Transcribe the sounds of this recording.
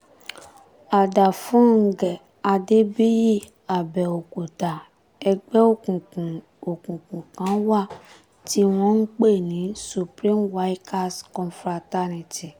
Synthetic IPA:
a˨da˨fũ˦ŋ̩˨ɡɛ˨ | a˧de˦bi˦ji˦˨ | a˨bɛ˨o˨ko˨ta˨ | ɛ˧ɡ͡bɛ˦o˦˨kũ˨kũ˨ | o˨kũ˨kũ˨kã˨˦wa˦˨ | ti˦w̃ɔ̃˦n̩˦k͡pe˦˨nĩ˨˦su˧pɾĩ˦mwa˦jka˦skɔ̃˨nfɾa˧ta˦ni˨ti˨

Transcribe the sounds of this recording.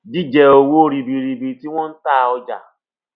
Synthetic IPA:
d͡ʒi˦d͡ʒɛ˧o˧wo˦˧ɾi˨bi˨ɾi˨bi˨ti˦w̃ɔ̃˦n̩˦ta˦˨˧ɔ˧d͡ʒa̰˨

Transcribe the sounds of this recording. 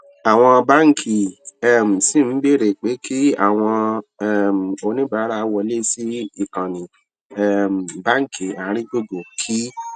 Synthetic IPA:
a˨w̃ɔ̃˧ba˦ŋ̩˦kʰi˨ɛ˦m̩˨si˦˨m̩˦be˦˨ɾe˨k͡pe˨˦ki˦a̰˨w̃ɔ̃˧ɛ˦˨m̩˨o˧nĩ˦ba˨˦ɾa˦˧wɔ˧le˦si˦i˦˨kã˨nĩ˨ | ɛ˦m̩˨ba˦ŋ˦˨ki˨a˨˦ɾ̃ĩ˦d͡ʒo˦˨do˨kʰi˦

